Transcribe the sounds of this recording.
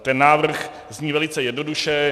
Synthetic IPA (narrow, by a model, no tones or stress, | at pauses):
t̪ɛnːaːvrr̩x | zɲiːvɛlɪt͡sɛjɛdnoduʃɛ